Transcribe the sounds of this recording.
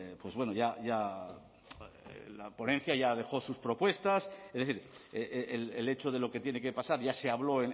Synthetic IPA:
pwe̞zβwe̞noʝaʝa | lapo̞nen̟θjaʝað̞e̞xo̞suspɾo̞pwe̞st̪asezðeθiɾeelele̞t͡ʃoðe̞lo̞ke̞t̪je̞nekepasaɾʝase̞aβlo̞en

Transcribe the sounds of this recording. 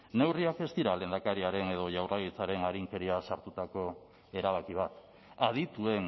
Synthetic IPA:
ne̞wriake̞st̪iɾale̞ːnd̪akaɾiaɾe̞ne̞ð̞o̞ʝawraɣit͡saɾe̞naɾiŋke̞ɾiasaɾt̪ut̪ako̞ | e̞ɾaβ̞akiβ̞at̪ | að̞it̪ue̞n

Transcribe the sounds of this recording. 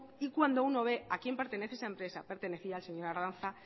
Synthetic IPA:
ikwand̪o̞uno̞β̞e̞akje̞mpe̞ɾt̪e̞neθeesaempɾe̞sa̰pe̞ɾt̪e̞ne̞θiaːlse̞ɲo̞ɾaɾanθa

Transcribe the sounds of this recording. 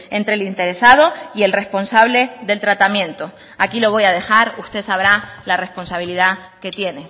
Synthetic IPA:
ẽ̞nt̪ɾelint̪e̞ɾe̞sað̞o̞ie̞lre̞spo̞nsaβle̞ðe̞lt̪ɾat̪amjẽ̞nt̪o | akilo̞β̞o̞jað̞e̞xaɾust̪e̞saβɾalare̞hpo̞nsaβ̞ilið̞a | ke̞t̪je̞ne̞

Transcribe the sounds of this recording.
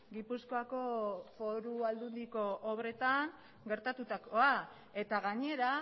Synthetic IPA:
ɡipusko̞ako̞fo̞ɾuald̪und̪iko̞ʔːβɾe̞t̪aŋ | ɡe̞ɾt̪at̪ut̪ako̞a | e̞t̪aɣaɲe̞ɾa

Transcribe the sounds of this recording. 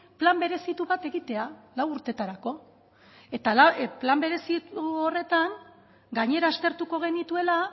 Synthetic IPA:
plambe̞ɾe̞sit̪uβat̪e̞ɣit̪e̞alawuɾt̪e̞t̪aɾako̞ | e̞t̪alaplambe̞ɾe̞siore̞t̪aŋ | ɡaɲe̞ɾaːst̪e̞ɾt̪uko̞ɣ̞e̞nit̪ue̞la

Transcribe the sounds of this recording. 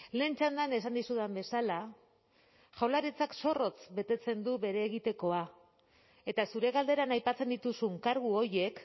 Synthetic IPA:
le̞ːnt͡ʃand̪ane̞sand̪isuðambe̞sala | ʝawlaɾit͡sakso̞ro̞t͡sbe̞t̪e̞t͡se̞nd̪uβe̞ɾe̞ːɣit̪e̞ko̞a | e̞t̪asuɾe̞ɣald̪e̞ɾanajpat͡se̞nd̪it̪usuŋkaɾɣuo̞ɾje̞k

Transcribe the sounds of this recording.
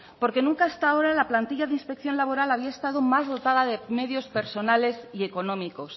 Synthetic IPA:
po̞ɾke̞nũŋkaast̪ao̞ɾalaplant̪iʎaðeinspe̞k̚θjo̞nlaβo̞ɾalaβ̞iae̞st̪aðomazðo̞t̪aðaðe̞me̞ðjo̞spe̞ɾso̞nale̞sieko̞nõmiko̞s

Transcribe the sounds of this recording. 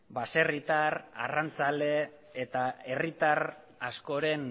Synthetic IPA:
base̞rit̪aɾa̰rant͡sale̞ː | t̪ae̞rit̪aɾ | asko̞ɾe̞n

